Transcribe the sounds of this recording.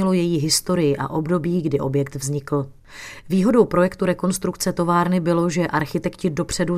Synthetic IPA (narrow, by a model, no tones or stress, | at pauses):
ɪlo̞jɛjiːɦɪst̪o̞ɾɪjɪʔa̰ʔo̞bdo̞biːɡdɪʔo̞bjɛk̚t̪vzɲɪkl̩ | viːɦo̞do̞wpɾo̞jɛkt̪uɾɛko̞nst̪ɾukt͡sɛt̪o̞vaːɾnɪbɪlo̞ʒɛʔaɾxɪt̪ɛkcɪdo̞pr̝̥ɛdu